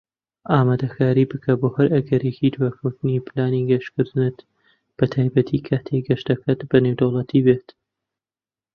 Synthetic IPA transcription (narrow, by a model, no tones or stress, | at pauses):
ʔaːmaːd̪ɐkʰaːɾibɨkʰɐboːhɐɾɐɡɐɾekid̪waːkʰɐwt̪ɨnipɨlaːniɡɐʃkɨɾd̪ɨnɨt̪ | b̥ɐt̪ʰaːjbɐt̪ʰikʰaːt̪ʰeɡɐʃt̪ɐkʰat̪bɐnewd̪owlˠɐt̪ʰiːbeːt̪